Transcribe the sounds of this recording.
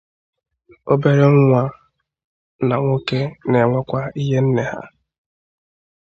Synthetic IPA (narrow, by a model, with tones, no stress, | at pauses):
o˦be˦ɾe˦ŋ̩˦ŋʷa˦ | na˨ŋʷo˦ke˦ne˨ŋʷɔ˦kʷa˦i˦ɦe˦n̩˦ne˨ha̰˦